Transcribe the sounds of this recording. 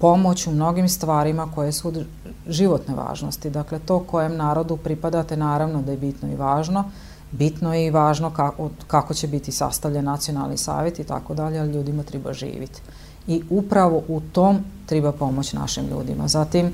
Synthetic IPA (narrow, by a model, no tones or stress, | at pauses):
po̞mo̞t͡ɕumno̞ɡimst̪ʋaːɾimako̞je̞suod̪ | ʒiʋo̞t̪ne̞ʋa̰ːʒno̞̰st̪id̪akle̞t̪o̞ːko̞je̞mnaːɾo̞d̪upɾipad̪at̪e̞naːɾaʋnod̪aje̞bit̪noḭʋaːʒno̞ | bit̪nojeiʋaːʒno̞kaokako̞t͡ɕe̞bit̪isa̰st̪aʋʎanːat̪sijo̞nalˠnḭsa̰ːʋje̞t̪it̪a̰ko̞d̪aʎealiʎuːd̪imat̪ɾɛba̰ʒḭːʋḭt̪ | iupɾaʋo̞ʔut̪oːmt̪ɾɛbapo̞mo̞t͡ɕna̰ʃimʎṵːd̪ḭma̰zat̪im